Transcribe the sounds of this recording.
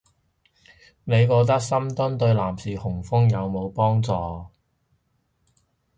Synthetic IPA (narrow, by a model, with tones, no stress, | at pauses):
ne˨˧jkɔː˧k̚t̪ɐ˥k̚sɐ˥mt̪ɵ˥nt̪ɵ˧ɥlaː˨˩msiː˨˩hʊ˨˩ŋfʊ˥ŋjɐ˨˧wmo˨˧wpɔː˥ŋt͡sɔː˧